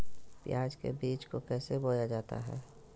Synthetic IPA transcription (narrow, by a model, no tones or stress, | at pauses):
pjaːd͡ʒkḛbiːt͡ʃkokɛːseboːjad͡ʒaːt̪a̰ɦɛ̰ː